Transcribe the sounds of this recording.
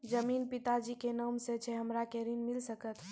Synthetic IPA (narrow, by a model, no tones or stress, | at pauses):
d͡ʒəmiːnpɪt̪ad͡ʒikenəmset͡ʃʰɛɦəmɾakeɾinmɪlsəkət̪ʰ